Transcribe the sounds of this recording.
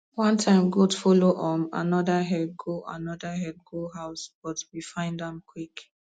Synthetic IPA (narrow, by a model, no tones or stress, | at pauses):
wɔ̃ntʰãɪ̃mɡotfɔloʔɔ̃ma̰nɔdəɦɛd̚ɡoʔa̰nɔdaɦɛd̚ɡoɦaʊsb̥ɔtwifãɪ̃ndãmkʰwik